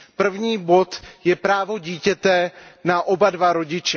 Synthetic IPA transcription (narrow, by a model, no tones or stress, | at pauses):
pr̩vɲiːbo̞t̪jɛpɾaːvo̞ɟiːcɛt̪ɛnaʔobadvaɾo̞ɟɪt͡ʃɛ